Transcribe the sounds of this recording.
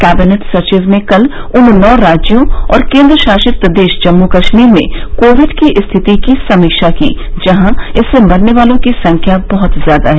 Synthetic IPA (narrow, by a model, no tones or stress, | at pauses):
kæːbɪneʈsɐɾt͡ʃɪzmẽkɐl | ʊnnɔːɾaːd͡ʒjõɔ̰ːɾkẽːnd̪ɾəʃaːʃɪt̪əd̪eːʃd͡ʒɐmːukɐʃmiːɾmḛ̃koːʋɪɖkiʔst̪ʰɪt̪ikisɐmikʃakḭː | d͡ʒɐɦãɪsːemɐɾneʋaːlõkisɐ̃ŋkʰjabɐɦʊt̪zjaːd̪aɦɛ